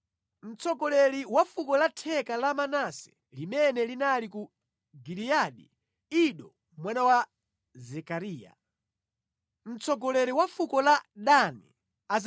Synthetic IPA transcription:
m̩t͡sɔɡɔlɛliwafukɔlatʰɛkalamanasɛ̥ | limɛnɛlinaliku | ɡilijaɗi | iɗɔ | mwanawa | zɛkaɾiːja̰ | m̩t͡sɔɡɔlɛɾiwafukɔlaɗanḭ | az

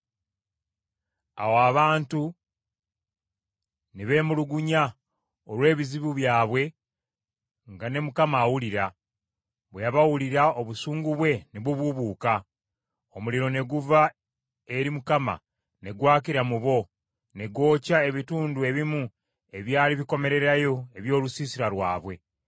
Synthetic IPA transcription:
a̰woaβaːntu | niβe̞ːmuluɡuɲa | olwe̞ːβiziβuβjaːβwe̞ | ŋɡane̞mukamaːwuliɾa | βwejaβawuliɾao̞βusuːŋɡuβwe̞niβuβuβuːka | omuliɾo̞ne̞ɡuva | eɾimukama̰ | ne̞ɡwaːciɾamuβo̞ | ne̞ɡo̞ːcae̞βituːndue̞βimu | e̞βjaːliβiko̞me̞ɾe̞ɾajo̞e̞βjo̞ːlusiːsiɾaɾwaːβwe̞

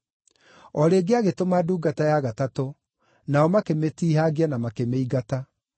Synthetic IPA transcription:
ɔɾeːɡeaɣetomaduːɡatajaɣatato | naɔmakemetiːɦaɣianamakemeiɣata

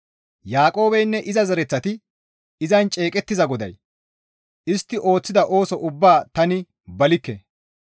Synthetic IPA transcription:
jaːkʼo̞ːbɛjnːɛʔɪzɐzɐɾɛt͡sːɐt̪ɪ | ɪzɐnt͡ʃʼe̞ːkʼɛt̪ːɪzɐɡɔd̪ɐ̰j | ʔɪst̪ːɪʔo̞ːt͡sːɪd̪ɐʔo̞ːsɔʔʊbːaːt̪ɐnɪ | bɐlɪkːɛ̰

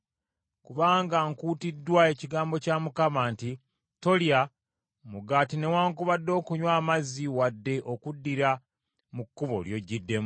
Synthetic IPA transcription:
kuβaːŋɡaŋkuːtidːwae̞ciɡaːmbo̞caːmukamaːnti | to̞lja | muɡaːtine̞waːŋkuβadːo̞ːkuɲwaːmaziwadːe̞ʔokudːiɾa | mukːuβo̞̰ljo̞ɟidːem

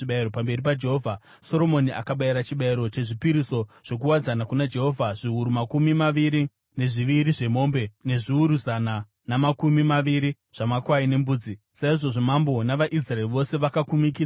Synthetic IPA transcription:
iɓaiɾopambe̞ɾipad͡ʒe̞ɦoːvʱa | so̞ɾo̞mo̞niʔa̰kaɓaiɾat͡ʃiɓaiɾo̞t͡ʃe̞ʐipiɾiso̞ʐ̥o̞k̬uwad͡zanakunad͡ʒe̞ɦo̞vʱaʐ̥iuɾumakumimaʋiɾi | ne̞ʐiʋiɾiʐe̞mo̞ːmbe̞ne̞ʐiuɾuzana | namakumimaʋiɾi | ʐ̥amakwaine̞mbuːd͡zi | saiʐo̞ʐo̞mambo̞naʋaʔis̬raeriʋo̞se̞ʋakakumik̬ia

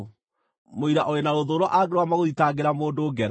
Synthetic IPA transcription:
moiɾaʔoenaɾoðoːɾwɔʔaɡeɾwamaɣoðitaɡeɾamoːndoːɡɛɾ

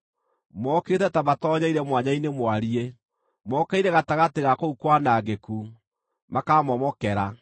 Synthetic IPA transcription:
mɔketɛtamatɔɲaiɾɛmwaɲainemwaɾie | mɔkɛiɾɛɣataɣateɣakoukwanaːɡeku | makamɔmɔkɛɾa

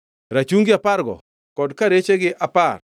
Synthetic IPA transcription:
ɾat͡ʃuŋɡɪapaɾɡɔ̰ | kɔdkaɾet͡ʃeɡɪʔapar

